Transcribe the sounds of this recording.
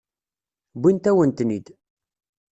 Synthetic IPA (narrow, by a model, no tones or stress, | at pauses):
bʷint̪æwənt̪nid̪